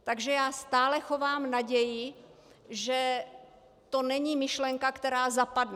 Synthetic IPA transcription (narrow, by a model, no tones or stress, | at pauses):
t̪aɡʒɛjaːst̪aːlɛxo̞vaːmnaɟɛjɪ | ʒɛ | t̪o̞nɛɲimɪʃlɛŋkakt̪ɛɾaːzapadnu